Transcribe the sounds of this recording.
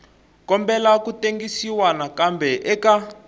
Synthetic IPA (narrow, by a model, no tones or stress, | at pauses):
kɔmbɛlakuteŋɡisiwanakambɛʔɛka